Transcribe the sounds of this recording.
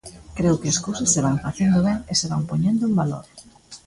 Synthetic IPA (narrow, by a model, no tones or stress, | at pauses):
kɾewkeɐskowsosːeβaŋfaθend̪oβeŋeseβampoɲẽnd̪ʊmbalo̰ɾ